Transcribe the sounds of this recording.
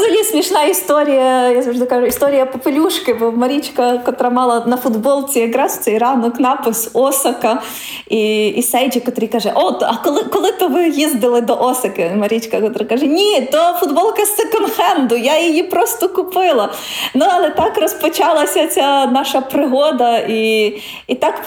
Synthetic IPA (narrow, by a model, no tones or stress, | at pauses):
zɐlʲisʲmʲiʂnajɐɪst̪oɾʲɪjɐjasɔʒd̪ɪkaʒʊist̪oɾʲɪjɐpɐpʲɪlʲuʂkɪbɔmɐɾʲit͡ʃkɐkɐt̪ɔɾamɑlˠɐnɐfʊd̪boɔlˠt͡sʲɪɪɡɾasʊ̥t͡s̪ʲɐiɾɑnʊknɑpɨsosɐkɐ | iːsɛjd͡ʒʲɪkɐt̪ɔɾɨjkaʐɛʔot̪ɐkɔlˠɪkɔlˠɪt̪ɔʋɪjizd̪ɪlˠɪd̪ɔʔɔsɐkɪmɐɾʲit͡ʃkɐkɔt̪ɔɾɐkaʒɛnʲit̪ɔfʊd̪bɔlˠkɐsɛkɔnxɛnd̪ʊjajɪjipɾɔst̪ɔkʊpɪlˠɐ | nuɐlˠɛt̪ɑkrɔspɔt͡ʃɑlˠɐsʲɐt͡sʲɐnɑʃɐpɾɪɦɔd̪ɐi | it̪ɑk